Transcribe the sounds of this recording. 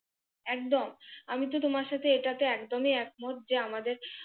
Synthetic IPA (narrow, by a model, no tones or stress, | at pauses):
ɛk̚d̪omamit̪ot̪omaɾʃat̪ʰeeʈat̪eɛkd̪omiɛk̚moʈ̪̚d͡ʑeamad̪eɾ